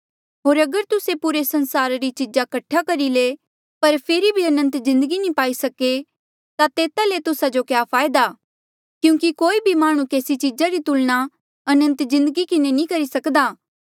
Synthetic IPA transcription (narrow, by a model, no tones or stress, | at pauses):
ɦoːɾɐɡəɾt̪ʊsepuɾesɐ̃nsaːɾɾit͡ʃid͡ʒakɐʈʰːakɐɾileː | pɐɾpʰeːɾibʱiɐnə̃nt̪zɪ̃nd̪əɡinĩpaːisɐke | t̪at̪eːt̪alet̪ʊsad͡ʒokjaːpʰaːɪd̪aː | kjũːkikoːibʱimaːɽ̃ũkeːsit͡ʃid͡ʒaɾit̪ʊlɽ̃a | ɐnə̃nt̪zɪ̃nd̪əɡikɪnenĩkɐɾisɐkd̪aː